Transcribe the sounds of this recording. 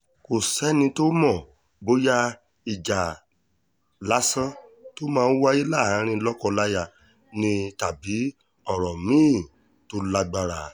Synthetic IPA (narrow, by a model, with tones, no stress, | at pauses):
ko˨sɛ˨˦nĩ˧to˦mɔ̃˦˨ | bo˦ja˧ | i˨d͡ʒa˨ | la˨˦sã˦to˦mãː˦˧˦wa˦ji˦la˦˨hã˨˦ɾ̃ĩ˧lɔ˦kɔ˧la˧ja˨ | nĩ˧ta˨bi˨˦ | ɔ˦˨ɾɔ˨mĩː˦˨ | to˦la˧ɡ͡ba˧ɾa˨